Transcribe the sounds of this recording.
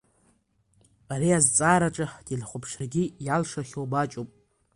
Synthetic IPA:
aɾiazt͡sʼaːɾaʈ͡ʂʼaħd̥ilχʷʊpʰʂɪrɡʲijalʂaχʲowbat͡ʃʼopʼ

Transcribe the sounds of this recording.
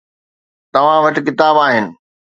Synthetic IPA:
t̪ɐʋ̤ãʋɐʈɪ̆kɪt̪aːbaːɦɪnɪ̆

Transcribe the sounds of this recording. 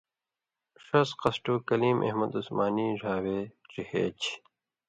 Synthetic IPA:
ʂɐsqɐsʈuːkɐliːmʔḛhmɐd̪usmaːniːʐaːweːʈ͡ʂihḛːt͡ɕʰ

